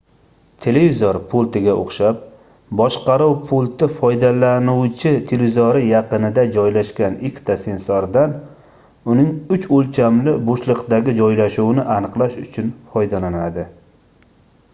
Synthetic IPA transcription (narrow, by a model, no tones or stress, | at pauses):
t̪ʰe̞levizoɾpʰolˠt̪ɪɡʲaʔo̰χʃap̚ | bɒʃqɑɾuwpʰʊlˠt̪ɪfɒjd̪alanuwt͡ʃʰɪt̪ʰelevizoɾɪjɑqɨnɪd̪ad͡ʒɒjlaʃkʲanikʲʰt̪ʰasensɒɾd̪an | ʊnɪŋʊt͡ʃolˠt͡ʃʰamlɪboʃlˠɨqd̪aɡʲɪd͡ʒɒjlaʃuwnɪʔanɨqlˠaʃʊt͡ʃʰʊnfɒjd̪alanad̪ɪ